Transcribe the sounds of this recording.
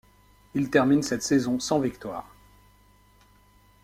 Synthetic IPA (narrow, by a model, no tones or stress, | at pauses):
ilt̪ɛʁminsɛt̪sɛzɔ̃sɑ̃vikt̪wa̰ːʁ